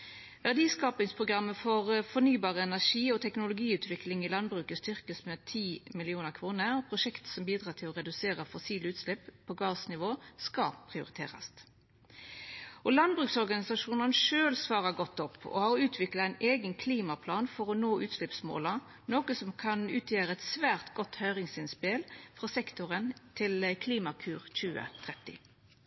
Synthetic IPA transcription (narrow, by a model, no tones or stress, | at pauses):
ʋæʁd̪iːskɑːpɪŋspʰʁʊɡʁɑmːəfɔʁfɔnyːbɑːʁəɛnæʁʂiːɔt̪ʰɛknʊlʊɡiːʉːt̪ʰʋɪklɪŋɪlɑnbʁʉːkəst̪ʏʁkəsmɛt̪ʰiːmɪlɪuːnəʁkʰʋuːnəɔpʰʁʊʃɛkt̪sɔmbiːd̪ɾʁɑːt̪ʰɪlɔʁɛd̪ʉseːʁəfɔsiːləʉːt̪slɛpʰːɔɡɑːsnɪʋoːskɑpʰʁɪʊɾɪt̪ʰḛːʁɑ̰st̪ | ɔlɑnbʁʉksɔʁɡɑnɪsɑʂuːnənʂøːlsʋɑːʁəɡɔt̪ːɔpːɔ̰hɑʁʉːt̪ʰʋɪkləæɪneːɡənkʰliːmɑpʰlɑːnfɔʁɔnoːʔʉːt̪slɪpsmo̰ːlɑ | noːkəsɔmkʰɑnʉːt̪ʰjeːʁəɛt̪sʋæːʁt̪ɡɔt̪ːhœʏʁɪŋsɪnspɪlfʁɑsɛkt̪ʊʁənt̪ʰɪlkʰliːmɑkʰʉːʁc͡çʉːə̰t̪ʰʁɛt̪ːɪ̰